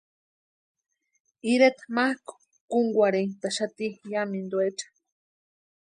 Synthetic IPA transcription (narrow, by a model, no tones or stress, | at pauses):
iɾet̪mahko̥ | kuŋɡʷaɾeŋt̪aʃat̪ijamind̪ueʈ͡ʂḁ